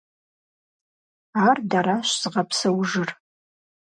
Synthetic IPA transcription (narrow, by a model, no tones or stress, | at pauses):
aːrdaɾaʃz̥ɨʁɐpʰsɐwʒɨr